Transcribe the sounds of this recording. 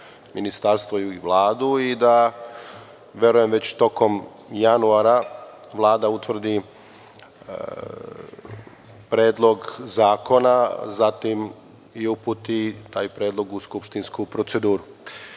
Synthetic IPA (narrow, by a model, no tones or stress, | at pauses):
minist̪aɾst̪ʋoʋlˠaːd̪uid̪a | ʋje̞ɾuje̞mʋe̞t͡ɕt̪o̞ko̞m | januaɾa | ʋlˠaːd̪aut̪ʋr̩d̪i | pɾeːd̪lˠo̞ɡzaːko̞nazat̪im | iupuːt̪it̪aːjpɾe̞ːd̪lˠo̞ɡuskupʃt̪inskupɾo̞t̪se̞d̪uːɾu